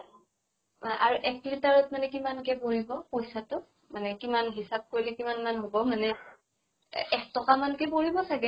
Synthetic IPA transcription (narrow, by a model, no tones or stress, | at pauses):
ʔaɹuʔɛk̚ːitaɹɔtmanɛk̬imankɛpoɹibɔpojsatʊ | manɛkimanɦisab̚koɹilɛkimanmanɦobɔmanɛ | ɛk̚tɔkamankɛpoɹibɔsaɡɛ